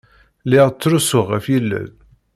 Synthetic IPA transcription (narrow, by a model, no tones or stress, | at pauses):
lɪʁt͡sːɾusʊʁæfjilːæ̰ð